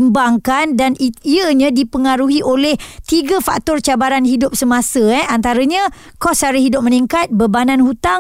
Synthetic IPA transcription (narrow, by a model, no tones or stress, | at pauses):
mbaŋkandaniəɲãdipəŋaɾuɦiʔolɛht̪iɡafa̰k̚t̪ɔrt͡ʃabaɾanɦidʊp̚səmãsəɛant̪aɾəɲə̃ | kɔsaɾiɦidʊp̚məniŋkat̪̚bəbanãnhut̪aŋ